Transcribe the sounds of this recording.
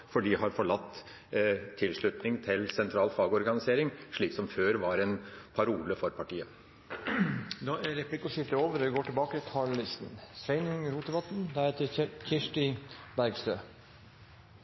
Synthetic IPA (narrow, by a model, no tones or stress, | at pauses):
fɔɖiːhɑɾfɔɭɑt̪ʰː | ɪlʂɭʉt̪nɪŋt̪ʰɪlsɛnt̪ʰɾɑːlfɑːɡɔɾɡɑnɪseːɾɪŋʂɭiːksɔmføːɾʋɑɾɛnpʰɑɾuːləfɔɾpʰɑʈiːə | d̪ɑːæɾɛplɪkːɔʂɪft̪əɾoːʋəɾʋɡoːʈɪlbɑːkəkʰɑɭlɪst̪n̩sɾɛɪnɪŋɾuːt̪əbɑt̪n̩d̪æɾheːt̪əɾçɪʂʈɪbæɾɡst̪øː